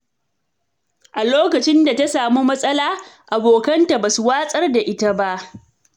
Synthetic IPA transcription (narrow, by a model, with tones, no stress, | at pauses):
ʔa˨loː˦kɐ˨t͡ʃɪ˦nda˨ta˦saː˨mu˦mɐ˦sʼɐ˦laː˦ʔa˨boː˨kɐ˦nta˨baː˨su˨waː˦sʼɐ˦rda˨ʔɪ˦ta˦ba˦ʔ